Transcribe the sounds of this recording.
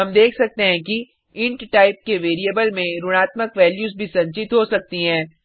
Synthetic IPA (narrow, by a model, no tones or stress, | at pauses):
ɐmd̪eːkʰsɐk̚t̪eɦɛ̃ki | ɪ̃ɳʈʈaːɪp̚keʋeːɾijəbəlmẽɾʊɽ̃aːt̪məkʋɛːljuːzbʱisɐ̃ɲt͡ʃɪt̪ɦosɐk̚t̪iɦɛ̃ː